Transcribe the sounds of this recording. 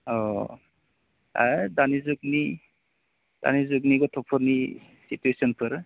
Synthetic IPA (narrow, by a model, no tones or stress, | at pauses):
ɔ | a̰danizuk̚ni | d̥a̰nizuk̚niɡɔtʰɔpʰɔɾni | situesɔnpʰɯɾ